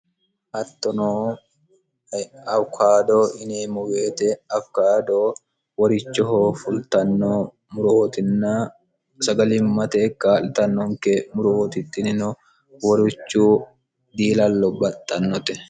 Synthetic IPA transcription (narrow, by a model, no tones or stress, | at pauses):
ʔɐt̪ːɔnoː | ɐwkʰaːd̪oːʔɪniːmʊɡeːt̪ɛɐfkaːd̪oː | wɔɾɪt͡ʃːɔɦoːfʊlt̪ɐnːoː | mʊɾoːt̪ɪnːaː | sɐɡɐlɪmːɐt̪eːkʼaːlɪt̪ɐnːɔŋkemʊɾoːt̪ɪt̪ʼːɪnɪnʊ | wɔɾʊt͡ʃːuː | d̪iːlɐlːɔbɐt̪ʼːɐnːɔt̪ɛ